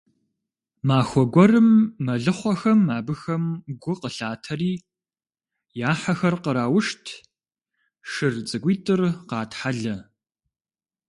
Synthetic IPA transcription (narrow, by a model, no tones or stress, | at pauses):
maːxʷɔɡʷɔrɨmːɐɮɨχʷɔxɐmːaːbɨxɐmɡʷʊqəɬaːtʰɐriː | jaːħɐxɐrqəɾaːwʊʂtʰ | ʂɨrt͡sʼɨɡʷiːtʼɨrqɑːtħaɮɐ